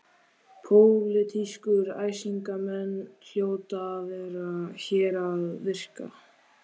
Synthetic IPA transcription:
pʰowlɪt̪ʰiskʏɾa̰ːjsiŋkamɛnːl̥joːwt̪avɛːɾaçɛːɾaðvɪr̥ka̰

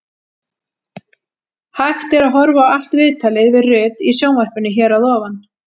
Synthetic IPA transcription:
hajxt̪ɛɾaðɦɔɾvaal̥t̪vɪðt̪ʰalɪðvɪðrʏːt̪isjownvɛr̥pʏnːɪçɛːɾaðɔːvan

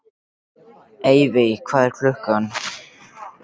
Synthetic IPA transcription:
eːjvɪkʰv̥aːðɛɾ̥kʰlʏhkanː

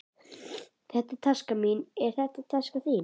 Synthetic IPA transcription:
θɛht̪at̪ʰaskaminɛɾ̥θɛht̪at̪ʰaskaθiːn

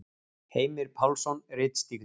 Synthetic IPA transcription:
heːjmɪɾ̥pʰawlsɔnrɪːt̪st̪iɾð

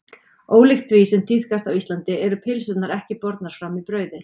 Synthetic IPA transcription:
oːwlɪxt̪ʰvisɛmt̪ʰiθkast̪awist̪lant̪ɪɛɾʏpʰɪlsʏt̪naɾɛhcɪpɔɾt̪naɾ̥fɾamipɾœːɥðɪ

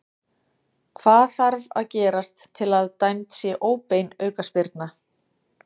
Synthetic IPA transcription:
kʰvaːðθaɾva̰ðcɛːɾast̪ʰːɪlaðt̪ajmt̪sjɛʔoːwpejnœːɥkaspɪɾt̪na

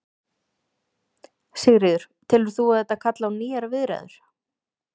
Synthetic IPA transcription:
sɛɣɾɪðʏɾ̥ | t̪ʰɪlʏɾ̥θuaðɛt̪aðkʰat̪lawniːaɾavɪðɾɛ̰ðʏ̰ɾ̥

